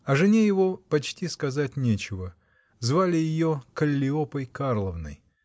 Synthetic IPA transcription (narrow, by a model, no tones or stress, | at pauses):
ɐʐɨnʲejɪvo̞pɐt͡ɕtʲiskɐzat̚ʲnʲet͡ɕɪvə | zvalʲɪjɪjokəlʲːɪopəjkarlˠəvnə̰j